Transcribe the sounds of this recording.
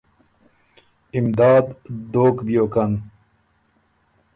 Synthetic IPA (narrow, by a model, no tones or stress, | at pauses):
imd̪aːd̪d̪oːkbijoːkɐn